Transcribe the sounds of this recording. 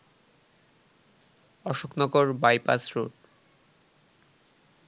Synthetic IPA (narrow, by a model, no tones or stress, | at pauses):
ɔʃoknɔɡoɾbajpasɾoʈ